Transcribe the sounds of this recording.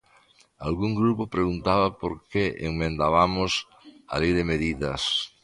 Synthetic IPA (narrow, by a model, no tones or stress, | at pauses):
a̰lɣuŋɡɾupʊpɾeɣunt̪aβɐpoɾkeʔḛŋmẽnd̪aβamʊs | a̰lejðemeðiðɐs